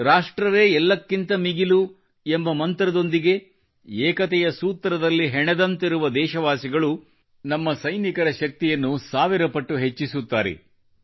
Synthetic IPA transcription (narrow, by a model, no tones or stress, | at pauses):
ɾaːʂʈɾɐʋeːɛlːɐkːint̪ɐmiɡilu | embɐmɐnt̪ɾɐd̪o̞nd̪iɡe̞ | eːkɐt̪ɛjɐsuːt̪ːɾɐd̪ɐlːiɦɛɳɛd̪ɐnt̪iɾuʋɐd̪ɛːʃɐʋaːsiɡɐɭu | nɐmːɐsɐjnikɐɾɐʃɐk̚t̪ijɐnːusaːʋiɾɐpɐʈːuɦe̞t͡ʃːisut̪ːa̰ːɾḛ